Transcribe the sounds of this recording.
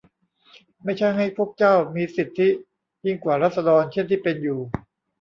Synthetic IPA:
ma˥˩jt͡ɕʰa˥˩jɦa˥˩jpʰu˥˩ək̚t͡ɕaː˥˩wmiː˧si˨˩t̪ʰːi˦˥ | ji˥˩ŋkwaː˨˩ɾaː˥˩t̪̚sa˧dɔː˧nt͡ɕʰe˥˩˨nt̪ʰiː˥˩pe˧njuː˨˩

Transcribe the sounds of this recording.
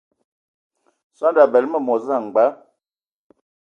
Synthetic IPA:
swa˦nda˨bɛ˨lmə˦˨mɔ˨za˦˨ŋ˨ɡ͡ba˨˦

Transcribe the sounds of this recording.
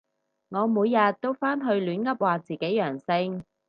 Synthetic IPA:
ŋɔː˨˧muː˨˧jːɐ˨˧t̚t̪ːo˥wfaː˥nɦɵ˧ɥlyː˨˥nkɐ˥p̚waː˨t͡siː˨ke˨˥jjœː˨˩ŋsɪ˧ŋ

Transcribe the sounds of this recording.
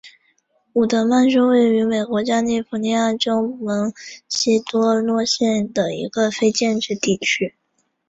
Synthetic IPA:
u˨˩t̪ə˧˥ma˥˧nʂu˥we˥˩ɪy˧˥me˨˩ɪkwɔ˧˥t͡ɕja˥ni˥˩fu˧˥ni˧˥ja˥˩ʈ͡ʂo˥ʊmə˧˥ŋɕi˥t̪wɔ˥lwɔ˥˧ɕjɛ˥˩nd̪ə˩ḭ˧˥ɡə˧fe˥ɪt͡ɕjɛ˥˧nʈ͡ʂɻ̩˥˧t̪i˥˩t͡ɕʰy˥

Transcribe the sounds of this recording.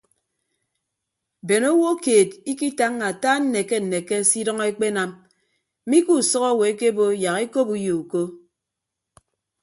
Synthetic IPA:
be˨no˦wo˦keː˨di˦ki˦ta˦ŋːa˨taː˦n̩˦ne˨ke˦n̩˨ne˨ke˦si˦dɔ˦ŋe˦k͡pe˦na˦m̩˦ | mi˦ku˨sɔ˦kɔ˦˨we˨e˦ke˦bo˦ja˨ɣe˦ko˦pu˦jo˨u˨ko˦

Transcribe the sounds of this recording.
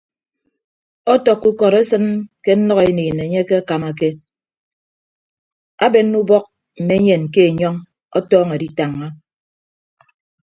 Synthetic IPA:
ɔ˦tɔ˨kːu˦kɔ˨ɾe˦sɨ˦nke˦n̩˦nɔ˦ɣe˨niː˨ne˨ɲe˦ke˦a˦ka˨ma˨ke˦ | a˦be˨n̩ː˦u˦bɔ˦k̚ | m̩˨me˦ɲe˨n˨ke˦e˨ɲɔ˦ŋ | ɔ̰˦tɔː˦ŋe˨di˦ta˨ŋːa˦

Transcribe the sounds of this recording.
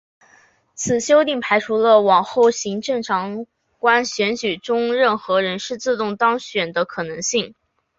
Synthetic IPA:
t͡sʰɹ̩˨˩ɕjo˥ʊt̪i˥˩ŋpʰa˧˥ɪʈ͡ʂʰu˥lə˧wɑ˨˩ŋxo˥˩ʊɕi˧˥ŋʈ͡ʂɤ˥˩ŋʈ͡ʂʰɑ˧˥ŋ | kwa˥nɕɥɛ˧˥nt͡ɕy˨˩ʈ͡ʂʊ˥ŋɻə˥˩nxɤ˧˥ɻə˧˥nʂɻ̩˥˧t͡sɹ̩˥˧t̪ʊ˥˩ŋt̪ɑ˥ŋɕɥɛ˨˩nd̪ə˦kʰɤ˨˩nɤ˧˥ŋɕi˥˩ŋ

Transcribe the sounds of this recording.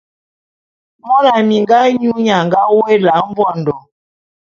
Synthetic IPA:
mɔ˦na˨mi˨ŋ˦ɡa˦ɲu˦ɲa˨ŋ˨ɡa˦we˦la˨˦m˦vɔ˦˨n̩˨dɔ˨

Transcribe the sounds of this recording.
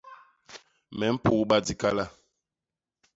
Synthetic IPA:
mɛ˨˦m̩˦pu˦˨˦ɓa˦di˦ka˦la˦˨

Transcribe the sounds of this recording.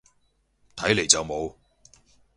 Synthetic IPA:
t̪ʰɐ˨˥jle˨˩jt͡sɐ˨wmo˨˧w

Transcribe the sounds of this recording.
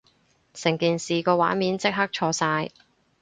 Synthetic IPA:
sɪ˨˩ŋkiː˨˩nsiː˨˩kɔː˧wa̰ː˨˥nmiː˨˥nt͡sɪ˥k̚ɦɐ˥k̚t͡ʃʰɔː˧saː˧j

